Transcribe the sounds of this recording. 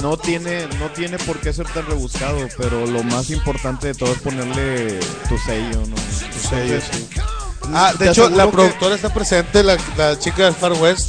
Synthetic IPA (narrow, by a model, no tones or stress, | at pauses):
not̪jenenot̪je̞ne̞poɾkes̬e̞ɾt̪anreβuskaðopeɾolomasimpo̞ɾt̪ant̪e̞ðet̪oðoespo̞neɾle̞t̪useʝonot̪usejosi | ad̪eet͡ʃolapɾoðuk̚t̪o̞ɾaest̪apɾesent̪elalat͡ʃikaelfaɾwest̪